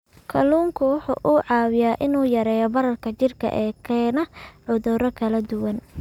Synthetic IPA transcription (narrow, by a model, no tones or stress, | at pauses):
kʰɐluːŋkʰʊwʊħṵːʔuʕɑːwɪjaːʔɪnuːjɐɾɛːjɔbɐɾɐrkʰɐt͡ʃɪrkʰɐ̰ʔɛːkʰɛːnɐʕʊðʊɾɐkʰɐlɐd̪ʊwɐn